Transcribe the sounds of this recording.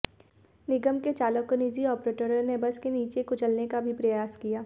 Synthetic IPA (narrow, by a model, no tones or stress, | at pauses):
nɪɡəmket͡ʃaːlokoniːziɔːpɾeːʈəɾəɾnebɐskeniːt͡ʃekʊt͡ʃəlnekabʱipɾɐjaːskijaː